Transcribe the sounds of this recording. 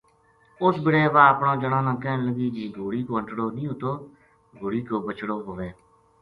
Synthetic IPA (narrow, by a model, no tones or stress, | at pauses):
ʊsbɪɽeːʋaːəpɳãːd͡ʒəɽãːnãːkɛːnləɡiːd͡ʒiːɡoːɽiːkoːə̃ɳʈɽoːnĩːʊt̪oː | ɡoːɽiːkoːbət͡ʃɽoːɦoʋeː